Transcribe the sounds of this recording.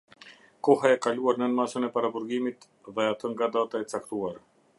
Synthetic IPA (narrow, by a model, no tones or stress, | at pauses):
kɔɦaɛkaluaɾnənmasənɛpaɾabuɾɡimit̪ | ðɛat̪əŋɡad̪at̪aɛt͡sakt̪uaɾ